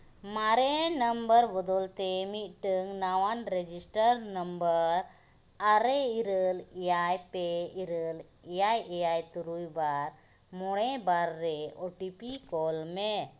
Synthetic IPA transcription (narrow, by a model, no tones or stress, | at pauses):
maɾɛnəmbəɾbɔd̪ɔlt̪emit̪̚ʈəŋnawanɾed͡ʒisʈəɾnəmbəɾ | aɾɛiɾəlijajpeiɾəl | ijajejajt̪uɾujbaɾ | mɔɽɛbaɾːɛɔʈipikɔlme